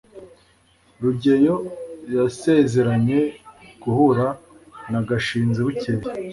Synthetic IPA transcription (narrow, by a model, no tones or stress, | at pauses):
ɾuɟe̞jo̞jase̞ze̞ɾaɲe̞ɡ̥uhuɾa | naɡaʃiːnziβuciβi